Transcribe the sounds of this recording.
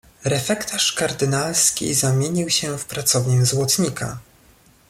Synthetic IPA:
ɾɛfɛkt̪aʂkaɾd̪ɘnalskʲḭzamʲjeɲiwɕɛfpɾat̪sɔvɲɛzwɔt̪ɲikʰa̰

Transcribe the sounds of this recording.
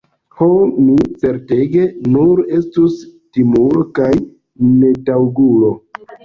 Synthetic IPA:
honut͡se̞ɾteɡe̞nuɾe̞stustimulokaj | ne̞tawɡulo

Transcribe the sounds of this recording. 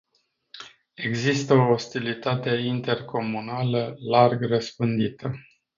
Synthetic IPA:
e̞ɡzist̪əoːst̪ilit̪at̪e̞int̪e̞rkʰo̞munaləlarɡrəspɨnd̪it̪ʰə

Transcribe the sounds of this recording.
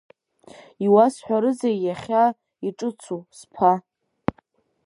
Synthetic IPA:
iwasħᶣʷaɾɨzajaχʲa | iʈ͡ʂʼɨt͡sʰuspʰa

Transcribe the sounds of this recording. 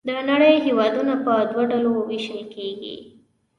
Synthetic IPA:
d̪ənaɽəjɦewɑd̪unapəd̪waɖalowiʃakeɡḭ

